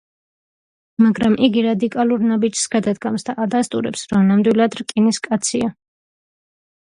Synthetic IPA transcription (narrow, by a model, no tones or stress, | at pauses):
maɡɾamʔiɡiɾad̪ikʼalˠuɾnabid͡ʒsɡad̪ad̪ɡamsd̪aʔad̪ast̪ʼuɾɛpsɾɔmnamd̪wilˠad̪ɾkʼiniskʼat̪sʰia